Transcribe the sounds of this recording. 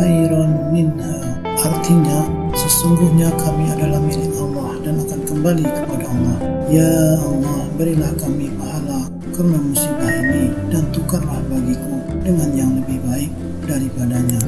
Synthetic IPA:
aiɾanːɪn | ə | art̪iɲa | səsuŋɡʊhɲakamiadalahmilɪmawahdanakankəmbalikəpadaumah | jaumahbəɾilahkamipaɦala | kərnamusibaɦamidant̪ukarlahbaɡikudəŋanjaŋləbɪhbaɪk̚ | daɾipadaɲa

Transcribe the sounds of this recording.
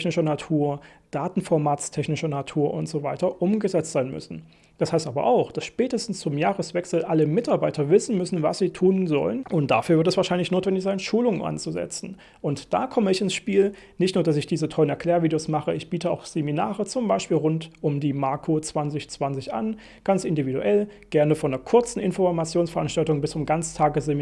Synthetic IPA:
çnɪʃɐnatʰuːɐ | d̥aːtn̩fɔɐmaːt͡stʰɛçnɪʃɐnatʰuːɐʔʊntz̥ovaɪtɐʔʊmɡəzɛt͡stz̥aɪnmʏ̰sn̩ | d̥ashaɪstʔaːbɐ̰ʔa̰ʊxd̥asʃpɛːtəstn̩st͡sʊmjaːʁəsv̥ɛksl̩ʔaləmɪtaɐbaɪtʰɐvɪsn̩mʏsn̩va̰sz̥iːtʰuːnzɔ̰lənʔʊnt̚d̥a̰fyːɐvɪɐtɛsv̥aːɐʃaɪnlɪçnoːtv̥ɛndɪçz̥aɪnʃuːlʊŋənʔa̰nt͡suzɛ̰t͡sn̩ | ʔʊntd̥a̰ːkʰɔməɪçɪnsʃpiːl | nɪçtnuːɐd̥asɪçd̥iːzətʰɔʏənɛɐkʰl̥ɛːɐviːdejosmaχəʔɪçb̥iːtʰəa̰ʊxz̥eminaːʁət͡sʊmbaɪʃpiːlʁʊntʔʊmdiːmaɐkʰot͡sv̥ant͡sɪçt͡sv̥ant͡sɪçʔa̰n | ɡ̥ant͡sʔɪndividṵʔɛlɡ̥ɛɐnəfɔndeːɐkʰʊɐt͡sn̩ɪnfɔmat͡sjoːnsfɛɐʔanʃtaltʊŋbɪst͡sʊmɡant͡stʰaːɡəszemi

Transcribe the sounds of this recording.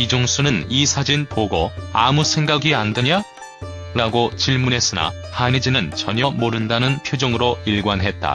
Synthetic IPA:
id͡ʑoŋsʰunɯnisʰad͡ʑinpoɡoamusʰe̞ŋɡaɡiandeɲa | ɾaɡot͡ɕiɭmune̞s͈ɯna̰ | hanid͡ʑinɯnt͡ɕʌɲʌmoɾɯndanɯnpʰjod͡ʑoŋɯɾoiɭɡwanɦe̞t̚t͈a̰

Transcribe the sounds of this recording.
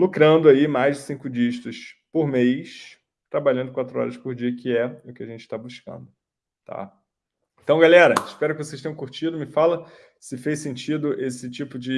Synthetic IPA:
lokɾɐ̃nd̪ʊaimajzd͡ʒɪsĩŋkʊd͡ʒiʃt̪ʊspoɾmejs | t̪ɾabalʎɐ̃nd̪ʊkwat̪ɾʊɔ̰ɾɐspʊɾd͡ʒiɐkɪɛʊkɪaʒẽnt͡ʃɪ̥t̪abuskɐ̰̃nd̪ʊ | t̪ʰa̰ | ẽnt̪ɐ̃w̃ɡalɛɾɐɪʃpɛɾʊkɪvosejʃt̪ẽj̃kuɾt͡ʃid̪ʊmɪfalɐ | sɪfejsẽnt͡ʃid̪ʊʔesɪt͡ʃipʊd͡ʒɪ

